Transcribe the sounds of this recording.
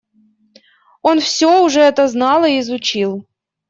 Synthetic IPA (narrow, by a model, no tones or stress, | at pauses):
onfsʲoʊʐɛɛt̪əznɑlˠɨːzʊt͡ɕilˠ